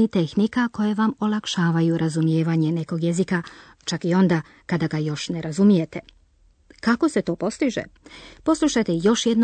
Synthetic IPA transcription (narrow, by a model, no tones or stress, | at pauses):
it̪e̞xnikako̞je̞ʋamo̞lˠakʃaːʋajuɾʔazumje̞ːʋaɲe̞ne̞ko̞ɡje̞zika | t͡ʃakio̞nd̪a | kad̪aɡajo̞ʃne̞ɾʔazumije̞t̪e̞ | kako̞se̞t̪o̞ːpo̞st̪iʒḛpo̞slˠuʃajt̪ejo̞ʃjed̪n